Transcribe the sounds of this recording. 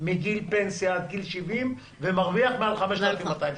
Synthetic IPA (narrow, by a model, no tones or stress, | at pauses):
miɡilpensjaːt̪̚ɡilʃivim | vemaʁviaχmealχameʃt̪alafimːat̪ajm